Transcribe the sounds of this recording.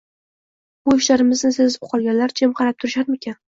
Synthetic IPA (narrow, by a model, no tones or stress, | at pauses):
bʊɪʃlaɾɪmɪznɪsezbʊqʰɒlˠɡʲanlaɾd͡ʒʰemqʰɑɾap̚t̪ʰʊɾɪʃaɾmekʲʰan